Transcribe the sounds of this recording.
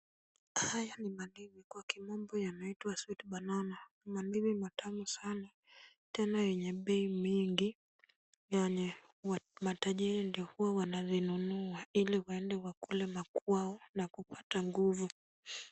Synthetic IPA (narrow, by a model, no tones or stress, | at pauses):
hajanimalivikwakimɔmbɔjanaitwaswitɓanana | malivimatʰamusana | tɛnajɛɲɛɓɛimwiŋɡi | jaɲɛ | mataʄiɾindiɔhuwawanazinunuailiwaɛndɛwakulɛmakwaɔnakupataŋɡuvu